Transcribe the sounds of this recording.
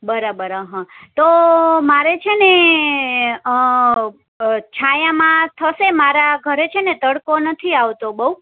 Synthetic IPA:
bəɾabəɾəɦãt̪omaɾet͡ʃʰene | t͡ʃʰajãmãt̪ʰəʃemaɾaɡʱəɾet͡ʃʰenet̪əɽkonət̪ʰiaʋt̪obəu

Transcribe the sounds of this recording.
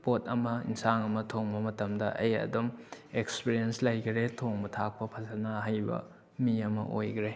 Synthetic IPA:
potʰɐmɐḭnsaŋɐmɐtʰoŋbɐmɐtɐmdɐʔɐjɐ̰dumekspiɾienslɐjɡiɾetʰoŋbɐtʰak̚pɐpʰɐzɐnaɦajbɐ̰ | miɐmɐ̰ʔojɡɾe

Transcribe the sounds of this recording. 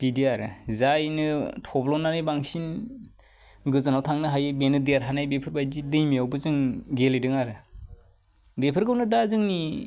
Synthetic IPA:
b̥idiaɾɯzajnɯtʰɔblɔnanaijbaŋsin | ɡɯzɯnawtʰaŋnɯɦajɯbenɯdijaɾɦanajbepʰɯɾbajdidɯjmiawbɯzɯŋɡelejdɯŋaɾɯ | bepʰɯɾkɯwnɯdazɯŋni

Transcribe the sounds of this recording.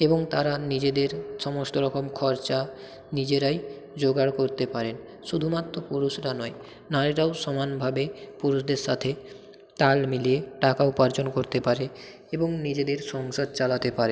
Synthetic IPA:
eboŋt̪aɾanid͡ʑed̪eɾʃɔmosʈoɾɔkomkʰɔɾt͡ɕa | nid͡ʑeɾaj | d͡ʑoɡaɽkoɾt̪epaɾen | ʃud̪ʱumat̪ːɾopuɾuʃɾanɔe | naɾiɾaoʃɔmanbʱabepuɾuʃd̪eɾʃat̪ʰe | t̪almilieʈakaupaɾd͡ʑonkoɾt̪epaɾe | eboŋnid͡ʑed̪eɾʃɔŋʃod̪̚t͡ɕalat̪epaɾe

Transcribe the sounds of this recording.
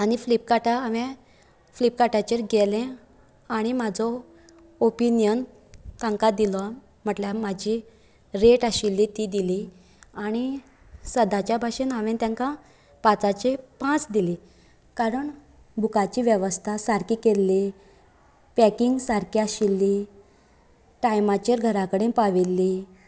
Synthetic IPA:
aɽ̃iflipkaʈaːʋẽ | flip̚kaʈat͡ɕeɾɡelẽ | aɽ̃imad͡zʱɔ | opinjən | t̪ãŋkad̪ila | m̤əʈljamad͡ʑi | ɾeʈaɕilːit̪id̪ili | aɽ̃i | səd̪at͡ɕjabʱaɕenaʋẽnt̪jãŋka | pat͡sat͡ɕepãt͡sd̪ili | kaɾəɳ | bʱukat͡ɕiːʋjeʋəst̪ʰasaɾkikelːi | pɛkiŋɡsaɾkiaɕilːi | ʈajmat͡ɕəɾɡʱəɾakəɽẽpaʋilːi

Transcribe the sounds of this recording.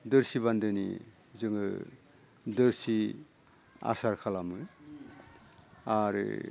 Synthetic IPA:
dɯɾsiβandɯnḭ | zɯŋɯ̰ | dɯɾsi | a̰saɾkʰalamɯ | aɾɯ̰

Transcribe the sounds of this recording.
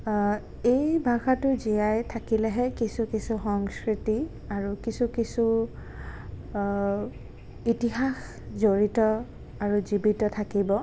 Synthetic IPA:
ejbʱaɡatʊzijajtʰakilɛɦɛkisukisuxɔŋskɹiti | aɹukisukisu | itiɦax | zoɹitɔ | aɹuzibitɔtʰakibɔ

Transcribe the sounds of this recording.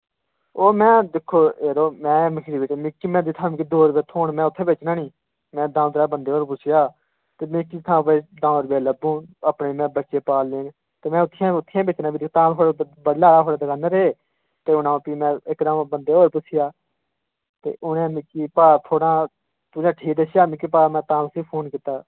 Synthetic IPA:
oːmɛ̃ːd̪ɪkʰːoːeːɾoːmɛ̃ːmɪkʰɾiːbɪt͡ʃːmɪkːiːmɛ̃ːd̪iːt̪ʰaːkid̪oːɾbeːt̪ʰoːɳmɛ̃ːʊt̪ʰːẽːbeːt͡ʃnãːniː | mɛ̃ːd̪ãːd̪ɾaːbənd̪eːoːɾpʊsɪjaː | t̪eːmẽːkit̪ʰãːbeːd̪ãːɾbeːləbũːəpneːmɛ̃ːbətːʃeːpaːlːeːn | t̪eːmɛ̃ːʊt̪ʰːɪjãːʊt̪ʰːɪjãːbet͡ʃnãːbiːd̪t̪ãːt̪ʰoːɾbəlaːɾaːɦoːɾaːd̪əɡaːneɾeeː | t̪eːʊnãːpiːmɛ̃ːɪkd̪ãːbənd̪eːoːɾpʊsɪjaː | t̪ḛːʔʊnẽːmɪkːiːpaːt̪ʰoːɽãː | t̪ʊd͡ʒãːʈʰiːk̚d̪əsjaːmɪkːiːpaːmɛ̃ːt̪ãːtəsiːpʰoːnkiːt̪ːaː

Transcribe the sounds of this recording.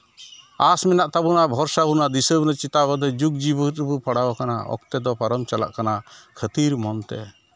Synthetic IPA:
asmɛnaʔt̪abunabʱɔɾsabunad̪isəbnat͡ʃit̪abɔd̪ɔd͡ʒuɡ̚d͡ʒibət̪bupʰaɽabakanaɔ̰kt̪ɛd̪ɔpaɾɔmt͡ʃala̰ʔkanakʰət̪iɾmɔnt̪ɛ̰

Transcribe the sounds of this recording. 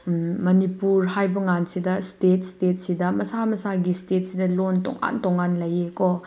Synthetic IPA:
mɐnipuɾhajbɐŋansidɐstet̚stet̚sidɐmɐsamɐsaɡistet̚sidɐlontɔ̰ŋa̰ntoŋːanlɐjeko

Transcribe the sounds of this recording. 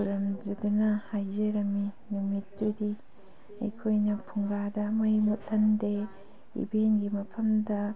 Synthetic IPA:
uɾɐmd͡ʒɐdunɐhajzɐɾɐmːi | numit̚ːudi | ɐ̰jkʰojnɐpʰuŋɡadɐmɐjmut̚lɐnde | ḭbenɡimɐpʰɐmdɐ

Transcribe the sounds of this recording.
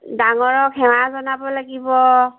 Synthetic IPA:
daŋɔɹɔkʰɛwazɔnabɔlaɡibɔ

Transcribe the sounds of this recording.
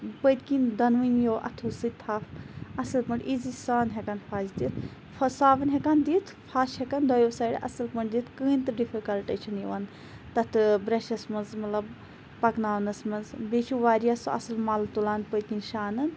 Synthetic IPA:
pət̪kind̪ɐnʋɨnjoːwʔɐ̰t̪ʰusɨt̪ʰaːfɐsɐlpɐɳʈizisaːnɦʲekanpʰaːzd̪it̪ʰ | fɐsaːʋɐnɦekand̪iːt̪ʰ | pʰaːʃhekand̪ɐjosaːɽʔɐ̰sɐlpɐɳɖd̪it̪ʰkɨːnt̪ɨɖifʰikɐlʈɐt͡ʃʰɐnjiʋan | t̪ɐt̪ʰɨbɾeʃɐsmɐnzmɐt̪lɐb | pɐknaːnɐsmɐnzbet͡ʃʰuʋaːɾjasɐ̰sɨlmalt̪ulaːnpət̪̚kinʃaːnɐn

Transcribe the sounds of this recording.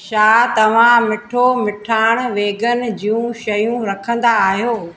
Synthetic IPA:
ʃaːt̪ɐʋ̤ãmɪʈʰomɪʈʰaːɪɽ̃ʋeːɡənɪ̆d͡ʑiːjũʃɐjũɾɐkʰə̃nd̪aːɦijoː

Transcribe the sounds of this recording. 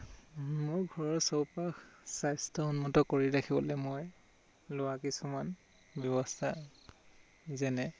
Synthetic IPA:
mʊɹɡʱɔɹɔɹsowpaxsajstʰɔunmɔtɔkoɹiɹakʰibɔlɛmoj | lʊwakisuman | bjɔbɔstʰa | zɛnɛ

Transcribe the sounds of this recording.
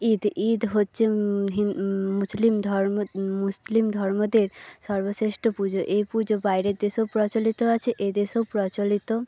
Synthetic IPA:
id̪id̪ɦotːɕʰeɦimuslimd̪ʱɔɾmuslimd̪ʱɔɾmod̪eɾʃɔɾbosɾeʃʈopud͡ʑoʔejpud͡ʑobajɾeɾd̪eʃopɾɔt͡ɕolit̪oat͡ɕʰeʔed̪eʃopɾɔt͡ɕolit̪o

